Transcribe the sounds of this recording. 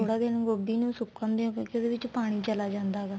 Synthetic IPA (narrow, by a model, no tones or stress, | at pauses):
oːɽaːd̪ɪnɡoːbiːnũːsʊkːõːnd̪eõːkɪoːd̪eːʋɪt͡ʃpaːɽ̃iːt͡ʃəlaːd͡ʒãːnd̪aːɡaː